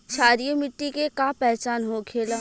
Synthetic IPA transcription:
ʃaːɾijomɪʈːikekapɛɦt͡ʃaːnɦokʰeːla

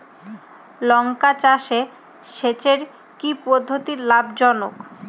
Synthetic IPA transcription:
lɔŋkat͡ɕaʃe | ʃet͡ɕeɾ | kipod̪ʱːot̪iɾlabd͡ʑɔnok

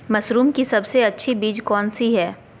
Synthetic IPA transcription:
mɐsɾuːmkisɐbseɐtːʃʰibiːd͡ʒkɔːnsiɦɛː

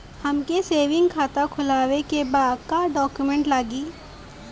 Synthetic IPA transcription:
hɐmkeseːʋɪ̃ŋɡkʰaːt̪akʰʊlaːwekebaːd̪kaɖɔːkjumẽɳʈlaːɡiː

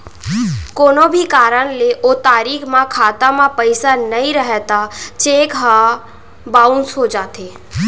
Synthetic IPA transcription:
koːnobʱikaːɾəɽ̃leʔoːt̪aːɾiːkʰmãkʰaːt̪amãpəɪsanəĩɾəɦɛt̪at͡ʃeːkɦa | baːʊnsɦod͡ʒaːt̪eː

